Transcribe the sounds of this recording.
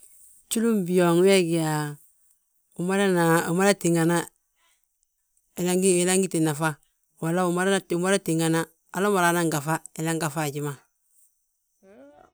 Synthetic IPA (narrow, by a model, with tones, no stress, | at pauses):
t͡ʃu˦lu˦mbi˨jɔ˨ŋ˦wɛ˦ɡɪ˨a˨ | u˨ma˦la˦na˨u˨ma˦la˦ti˨ŋa˨na˦ | e˨la˦ŋɡi˦e˨la˦ŋɡi˦ti˨na˨fa˦ | wa˨la˦u˨ma˦ɾa˦a˦˨ma˦ɾa˦ti˨ŋɡa˨na˦ | a˨la˦ma˨ɾaː˨˦na˦ŋɡa˨fa˦e˨la˦ŋɡa˨fa˦˨d͡ʒi˦ma˨